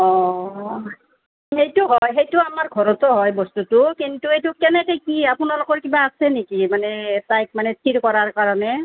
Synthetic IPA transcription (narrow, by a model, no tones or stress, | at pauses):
ɔ | ejtʊɦɔjxejtʊamaɹɡʱɔɹɔtɔɦɔjbɔstutʊkintuejtʊkɛnɛkɛjkiapʊnalokɔɹkibaːsɛnekimanɛtajk̚manɛtʰiɹkɔɹaɹkaɹɔnɛ